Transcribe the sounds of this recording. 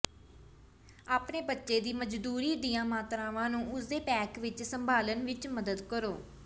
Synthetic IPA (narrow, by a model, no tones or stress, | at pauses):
aːpneːbətːʃeːd̪iːməd͡ʒd̪uːɾiːd̪ijãːmaːt̪ɾãːʋãːnũːʊsd̪eːpɛːkʋɪt͡ʃsəmbʱaːlənʋɪt͡ʃməd̪əd̪kəɾoː